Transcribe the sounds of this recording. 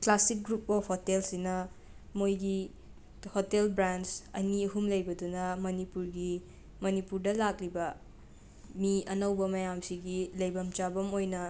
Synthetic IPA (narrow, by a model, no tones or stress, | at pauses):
klasik̚ɡɾup̚ɔfhotelsinɐ | mojɡi | hotelbɾansɐ̰niɐɦumlɐjbɐdunɐmɐnipuɾɡi | mɐnipuɾdɐlak̚libɐ | miɐnɐwbɐmɐjamsiɡilɐjbɐmt͡ʃabɐmojnɐ